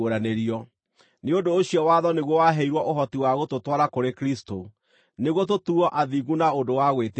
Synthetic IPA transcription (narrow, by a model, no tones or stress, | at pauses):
oɾaneɾiɔ | neondooɕiɔwaːðɔneɣwɔwaɦeiɾwɔʔoɦɔtiwaɣototwaɾakoɾekɾisto | neɣwɔt̬otuɔʔaðiɣunaodowaɣwet